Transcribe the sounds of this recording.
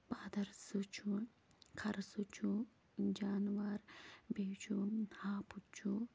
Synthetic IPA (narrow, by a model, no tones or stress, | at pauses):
paːd̪ɐɾsut͡ʃʰu | kʰɐɾsut͡ʃʰu | d͡ʒaːnwaːɾbeːt͡ʃʰuhaːput͡ʃʰu